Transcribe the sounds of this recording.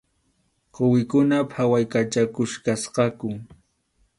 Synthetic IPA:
qowɪkʊnapʰawajkat͡ʃakʊʃkasqɑkʊ

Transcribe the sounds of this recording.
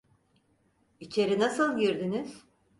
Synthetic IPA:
it͡ʃʰe̞ɾinasɯlˠɟiɾd̪ynyz̥

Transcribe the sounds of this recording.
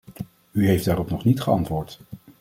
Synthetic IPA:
yɦejfd̥aːrɔpnɔχnitχəɑntʋʊːɹt

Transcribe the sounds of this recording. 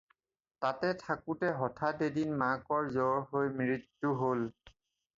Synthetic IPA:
tatɛtʰakutɛɦɔtʰatedinmakɔɹzɔɦojmiɹitːuɦol

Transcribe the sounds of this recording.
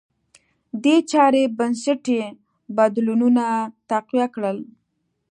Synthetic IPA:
d̪et͡ʃɑɾebansaʈe | bad̪lununat̪aqwjakɽəl

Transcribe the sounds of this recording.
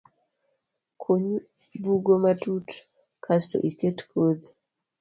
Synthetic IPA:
kʰoɲ | buɡomatut | kʰasto̰ʔiketkʰod̪

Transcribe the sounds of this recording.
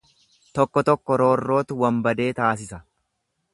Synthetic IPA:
t̪ɔkːɔt̪ɔkːɔɾo̞ːrːo̞ːt̪ʊwɐmbɐd̪e̞ːt̪aːs̬ɪsɐ

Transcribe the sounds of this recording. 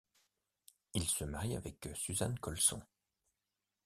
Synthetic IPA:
ilsəmaʁia̰vɛksyzankɔlsɔ̰̃

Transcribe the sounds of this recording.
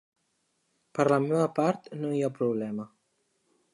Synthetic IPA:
pəɾlamɛβapaɾt̪noiapɾuβlɛmə

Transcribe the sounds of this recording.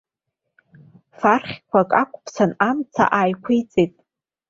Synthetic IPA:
farχʲkʷʰakʼakʷʼpʰsʰanamt͡sʰa̰ʔaːjkʷʰijt͡sʼetʼ

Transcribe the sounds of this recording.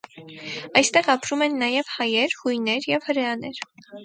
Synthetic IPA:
ɑjst̪ɛʁɑpɾumɛnːɑjɛvhɑjɛɾhujnɛɾjɛvhəɾɛɑnɛɾ

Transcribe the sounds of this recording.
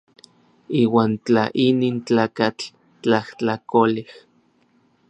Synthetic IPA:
iːwaːnt͡ɬa̰ʔiniːnt͡ɬaːkat͡ɬ | t͡ɬaht͡ɬakolih

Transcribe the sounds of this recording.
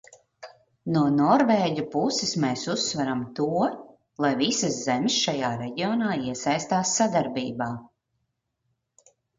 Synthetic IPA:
nuɔnɔɾveːɟʲupusɪsmeːsusːvaɾamt̪uɔ | lˠajvisaszɛmʲsʃajaːɾɛɟiɔnaːiɛsajst̪aːsːad̪aɾbiːbaː

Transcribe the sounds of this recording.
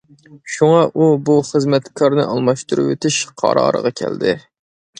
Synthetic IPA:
ʃuŋɑʔubuχəzmɛt̪kʰɑɾnɨʔɑlˠmɑʃt̪uɾṵwet̪ʰɪʃqʰɑ̰ɾɑ̰ːɾə̰ʁɑkʲʰɛ̰ld̪ɪ

